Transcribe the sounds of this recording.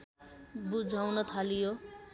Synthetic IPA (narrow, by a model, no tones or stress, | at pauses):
bud͡zʱawnʌt̪ʰalijo